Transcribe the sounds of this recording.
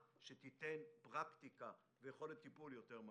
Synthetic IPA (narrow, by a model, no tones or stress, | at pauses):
ʃet̪it̪enpʁakt̪ika | vejeχo̞let̪ːipuljo̞t̪eʁm